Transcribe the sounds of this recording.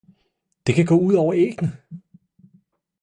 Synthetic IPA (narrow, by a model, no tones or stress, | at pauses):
d̥e̝kʰæɡ̥ɔ̰ːuð̞̰ˠɒʊɐeːɡ̥nə